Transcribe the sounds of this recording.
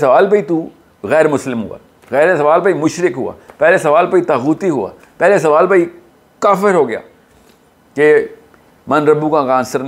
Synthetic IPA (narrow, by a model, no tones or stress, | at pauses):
sɐʋaːlbʱəit̪u | ɣɛːɾmʊslɪmɦʊ̰a̰ː | ɣɛːɾesɐʋaːlbaimʊʃɾɪkɦʊa̰ːpɛːlesɐʋaːlpəit̪aːɣuːt̪iɦʊa̰ː | pɛːles̬ɐʋaːlbai | kaːfɪɾɦoːɡɪja̰ː | ke | mɐnɾəbũkakãːnsəɾ